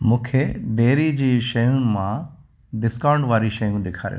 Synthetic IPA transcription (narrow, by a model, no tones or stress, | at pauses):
mũːkʰeɖeːɾid͡ʑiːʃɐjʊnɪ̆mã | ɖɪskãːʊ̃ɳɖʋaːɾiʃɐjũɗɪkʰa̰ːɾḭṵ̃